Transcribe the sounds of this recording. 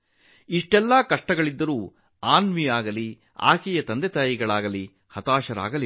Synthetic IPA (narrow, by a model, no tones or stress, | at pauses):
iʂʈɛlːaːkɐʂʈɐɡɐɭid̪ːɐɾuː | aːnʋijaːɡɐli | a̰ːkijɐt̪ɐnd̪ɛt̪aːjiɡɐɭaːɡɐli | hɐt̪aːʃɐɾa̰ːɡɐli